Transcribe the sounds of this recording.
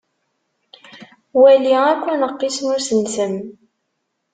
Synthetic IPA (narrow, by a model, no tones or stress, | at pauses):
wæliækʷːænəqːismʊɾsənsəm